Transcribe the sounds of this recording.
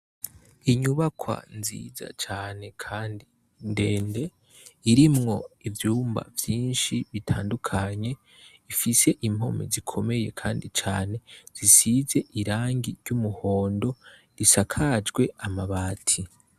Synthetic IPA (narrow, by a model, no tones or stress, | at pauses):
iɲuβakʰwa̰nzḭːza̰t͡ʃaːne̞kʰaːndi | nde̞ːnde̞ | iɾimŋo̞ivjuːmba̰vjiːnʃiβitʰaːndukʰaɲe̞ | ifise̞ʔimho̞mḭzikʰo̞me̞je̞kʰaːndit͡ʃa̰ːne̞z̥isize̞ʔiɾaːŋɡiɾɟumuho̞ːndo̞ | ɾisakʰad͡ʒɡwe̞amaβaːtʰi